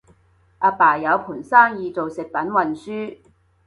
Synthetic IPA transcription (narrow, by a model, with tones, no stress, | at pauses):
ʔa˧paː˨˩jɐ˨˧wpʰuː˨˩nsaː˥ŋjiː˨˧t͡so˨wsɪ˨k̚pɐ˨˥nwɐ˨nsyː˥